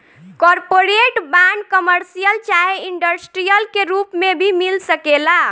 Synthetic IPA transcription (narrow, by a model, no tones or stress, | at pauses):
kɔɾpoɾeʈbaɳɖkəməɾsijəlt͡ʃaɦeiɳɖəsʈɾijəlkeɾupmebʱimilsəkela